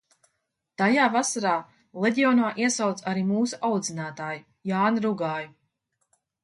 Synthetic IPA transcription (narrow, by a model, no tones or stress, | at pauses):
t̪ajaːvasaɾaː | lˠed̪ʲiɔːnaːʔiɛsawt̪saɾiːmuːsuʔawd̪zinaːt̪aːju | jaːnɾuɡaːju